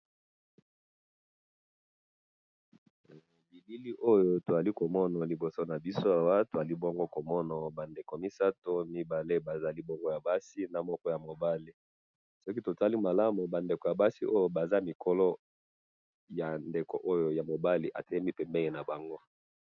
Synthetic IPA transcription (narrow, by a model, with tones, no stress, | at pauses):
bi˨bi˦li˦ʔo˦jo˦to˨za˨li˦ko˨mɔ˦na˨li˨bo˨so˦na˨bi˦so˦a˨wa˦to˨za˨li˦bo˦ŋɡo˦ko˨mɔ˦na˨ba˨nde˨ko˨mi˦sa˦to˦mi˦ba˨le˦ba˨za˨li˦bɔ˦ŋɡo˦ja˨ba˦si˦na˨mɔ˦kɔ˦ja˨mo˨ba˦li˨ | sɔ˦ki˦to˨ta˦li˦ma˨la˦mu˨ba˨nde˨ko˨ja˨ba˦si˦ʔo˦jo˦ba˨za˦mi˨kʰɔ˦lɔ˦ | ja˨nde˨ko˨ʔo˦jo˨ja˨mo˨ba˦li˨ʔa̰˨tɛ˦ɛ˦mi˦pɛ˨mbɛ˦ŋe˨na˨ba˨ŋɡo˦